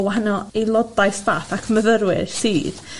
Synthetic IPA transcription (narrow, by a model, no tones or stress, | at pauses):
waɦanɔelˠɔdajθvaːθakʰməðəɾwɪ̰ðsiːð̥